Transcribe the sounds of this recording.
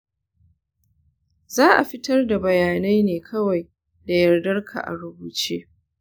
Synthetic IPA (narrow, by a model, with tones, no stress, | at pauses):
zaː˦ʔa̰˨ɸɪ˦tɐ˦rda˨bɐ˨jaː˨na˦jneː˨kʰɐ˦wa˨j | da˨jɐ˨rdɐ˦rkʰa̰˨ʔa̰˨ɾʊ˦buː˨t͡ʃeː˦